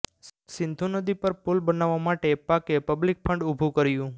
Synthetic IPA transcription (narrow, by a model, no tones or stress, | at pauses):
sɪ̃nd̪ʱũnəd̪ipəɾpulbənaʋːamaʈepakepəblik̚pʰəɳɖubʱũkəɾjũ